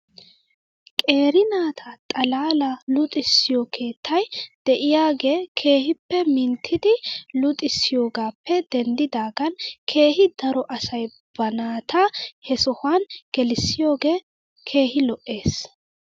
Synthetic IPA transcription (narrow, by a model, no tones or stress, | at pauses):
kʼe̞ːɾɪnaːt̪ʰɐt̪ʼɐlaːlɐlʊt̪ʼɪsːɪjɔkʰe̞ːt̪ʰːɐjd̪̥ɛʔɪjaːɡe̞ːkʰe̞ːhɪpːɛmɪnt̪ʰːɪd̪ɪlʊt̪ʼɪsːɪjo̞ːɡaːpːɛd̪ɛnd̪ɪd̪aːɡɐnkʰe̞ːhɪd̪̥ɐɾɔʔɐsɐj | b̥ɐnaːt̪ʰɐhɛsɔhwanɡ̥ɛlɪsːɪjo̞ːɡe̞ː | kʰe̞ːhɪlɔʔːe̞ːs